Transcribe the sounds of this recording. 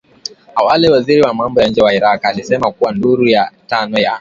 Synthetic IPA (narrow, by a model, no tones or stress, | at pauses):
awalɛwaziɾiwamambɔjaɲ̩d͡ʒɛwaiɾakalisɛmakuwanduɾujatanɔja